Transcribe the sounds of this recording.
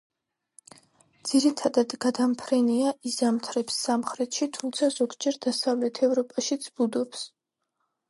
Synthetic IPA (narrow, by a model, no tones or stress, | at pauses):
d̪z̥iɾit̪ʰad̪ad̪ɡad̪ampʰɾɛniaʔizamt̪ʰɾɛpsːamχɾɛt̪ʃit̪ʰumt̪sʰazɔɡd͡ʒɛɾd̪asavlɛt̪ʰɛvɾɔpʼaʃid̪sʰbud̪ɔps